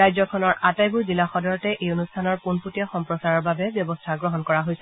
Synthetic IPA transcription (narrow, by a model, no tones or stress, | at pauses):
ajzɔkʰɔnɔɹʔatajbuɹzilaxɔdɔɹɔtɛʔejonustʰanɔɹpunputiɔxɔmpɹɔsaɹɔɹbabɛbjɔbɔstʰaɡɹɔɦɔnkɔɹaɦojsɛ